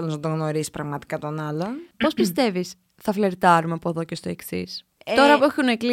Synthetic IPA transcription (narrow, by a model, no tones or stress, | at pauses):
loznɐt̪oɣno̞ɾisi̥spɾɐɣmɐt̪i̥kɐt̪o̞nɐlonpo̞spist̪e̞vis | θɐfle̞ɾt̪ɐɾumeɐpoðoce̞st̪o̞e̞ksḭs | t̪o̞ɾɐpuexunekli